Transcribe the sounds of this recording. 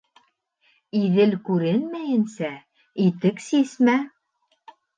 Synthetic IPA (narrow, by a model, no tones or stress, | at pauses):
iðɘlkʉɾɘnmæjɘ̆nsæ | it̪ɘksismæ